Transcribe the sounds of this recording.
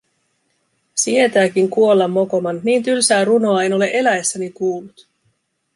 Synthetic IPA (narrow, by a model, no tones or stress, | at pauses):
sie̞t̪æːk̟iŋkuo̞lːɑmːo̞ko̞mɑnːiːnt̪ylsæːɾuno̞ɑe̞no̞le̞ʔe̞læesːænikuːlːut̪